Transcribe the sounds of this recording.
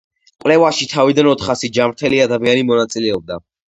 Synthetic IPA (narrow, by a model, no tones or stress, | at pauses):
qʼwlɛvaʃit̪ʰavid̪anɔt̪ʰχasid͡ʒamɾt̪ʰɛliad̪amianimɔnat̪sʼilɛɔb̚d̪a